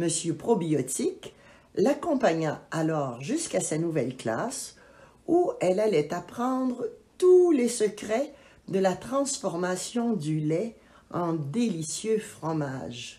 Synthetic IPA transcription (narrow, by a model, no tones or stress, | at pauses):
məsjøpχɔbiɔt̪ik | lakɔ̃paɲaalɔːʁʒyskasanuvɛlkla̰s | uɛlalɛt̪apχɑ̃d̪ʁət̪ulesəkʁɛ | d̪əlat̪χɑ̃sfɔʁmasjɔ̃d̪ylɛ | ɑ̃d̪elisjøfχɔma̰ːʒ